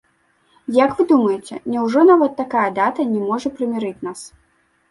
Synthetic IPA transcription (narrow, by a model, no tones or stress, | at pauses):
jɐkvɨd̪umɐjɛt͡sʲɛnʲɛwʐɔnavɐt̪ːakajɐd̪at̪ɐnʲɛmɔʐɐpɾɨmʲɛɾɨt͡sʲnas